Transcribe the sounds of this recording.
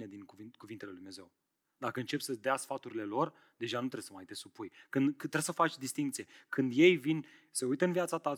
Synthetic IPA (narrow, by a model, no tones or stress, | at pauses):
ned̪inkuvikuvint̪eleljd̪umneze̞w | d̪akəɨnt͡ʃe̞psəd̪easfat̪uɾile̞lo̞r | d̪e̞ʒanut̪ɾe̞səmait̪esupujkɨnd̪kɨt̪ːɾesəfat͡ʃʲd̪ist̪iŋk̚t̪sie̞kʰɨnd̪je̞jvin | seujt̪əɨnvjat̪sat̪a